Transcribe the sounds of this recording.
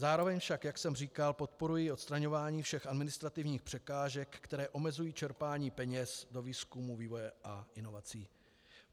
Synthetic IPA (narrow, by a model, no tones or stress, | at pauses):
zaːɾo̞vɛɲfʃakjaksɛmriːkalpo̞t̪po̞ɾujɪo̞t̪st̪ɾaɲo̞vaːɲiːfʃɛxʔadmɪnɪst̪ɾat̪ɪvɲiːxpr̥ɛkaːʒɛkːt̪ɛɾɛːʔo̞mɛzujiːt͡ʃɛɾpaːɲiːpɛɲɛsdo̞viːskumuviːvo̞jɛʔaʔɪno̞vat͡siː